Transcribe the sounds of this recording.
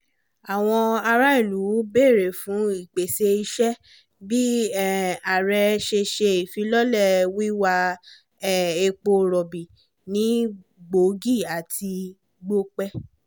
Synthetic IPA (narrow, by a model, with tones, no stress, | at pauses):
a˨w̃ɔ̃˧a˧ɾa˦i˦˨lu˨˦be˦˨ɾe˨fũ˨˦i˦˨k͡pe˨se˧i˧ʃɛ˦ | bi˦˨ | a˨ɾɛ˧ʃe˧ʃe˧i˨fi˧˦lɔ˦lɛ˦˨wi˦wa˧ | ɛ˦˨e˧k͡po˧ɾɔ˨bi˨ | nĩ˨˦ | ɡ͡bo˨˦ɡi˦˨a˨tʰi˧ | ɡ͡bo˦k͡pɛ˦